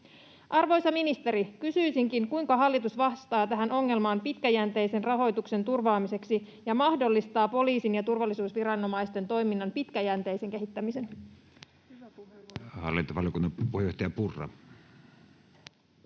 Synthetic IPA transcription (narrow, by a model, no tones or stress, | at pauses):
ʔɑrʋo̞jsɑminist̪e̞ɾikysyjsiŋkiŋkujŋkɑɦɑlːit̪usʋɑst̪ɑːt̪æɦænʔo̞ŋːe̞lmɑːmpit̪kæjænt̪e̞jse̞nrɑɦo̞jt̪ukse̞nt̪urʋɑːmise̞ksi | jɑmɑhdo̞lːist̪ɑːpo̞liːsinjɑt̪urʋɑlːisuːsʋiɾɑnːo̞mɑijst̪e̞nt̪o̞jminːɑnpit̪kæjænt̪e̞jse̞ŋke̞ɦit̪ːæmise̞n | hɑ̰lːint̪oʋɑlijokunːɑpuhejoht̪ɑjɑpurːɑ̰